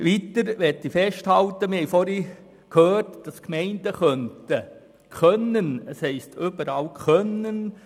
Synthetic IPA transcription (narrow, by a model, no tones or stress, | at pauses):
ʋitəɾʋɛtːifɛʃthɑltəmɪhɛjfɔɾi | kʰhøːrtd̥ɑskmɛɪnd̥əχœntə | kʰœnːənɛshɛɪstʏbəɾɑːlkʰœnən